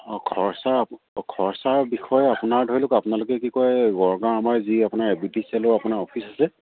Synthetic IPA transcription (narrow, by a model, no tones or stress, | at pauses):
kʰɔɹsa | kʰɔɹsaɹbixɔjɛapʊnaɹdʱɔɹilʊkapʊnalʊkɛkikɔjɡɔɹɡaɹamaɹziapʊnaɹɛbitisialʊapʊnaɹɔpʰisasɛ